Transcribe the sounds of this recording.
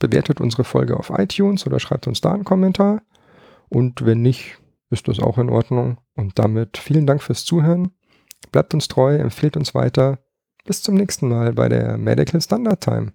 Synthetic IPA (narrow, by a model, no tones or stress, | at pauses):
b̥əveːɐtətʔʊ̰nzəʁ̞əfɔ̰lɡəʔa̰ʊfʔa̰ɪtʰjuːnsʔoːdɐʃʁ̥aɪp̚tʊnsd̥a̰ːnkʰɔmɛntʰaːɐ | ʔʊntvɛnːɪçt | ɪst̚d̥asa̰ʊxɪnʔɔ̰ɐdnʊŋ | ʊnt̚d̥a̰mɪtfiːləndaŋkfyːɐst͡suːɦøːʁən | b̥laɪp̚tʊnstʁ̥ɔʏɛ̰mfiːltʊnsv̥a̰ɪtɐ | b̥ɪst͡sʊmnɛːçstn̩maːlbaɪɾḛːɐmɛ̰dɪkʰl̩standaɐtʰːa̰ɪm